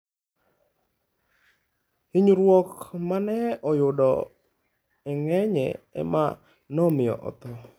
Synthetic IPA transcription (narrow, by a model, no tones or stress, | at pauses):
hiɲɾwɔkmanɛɔjʊdɔ̰ | ɛŋɛɲɛ̰ɛ̰ma̰ | nɔmɪjɔ̰ʔɔ̰t̪ɔ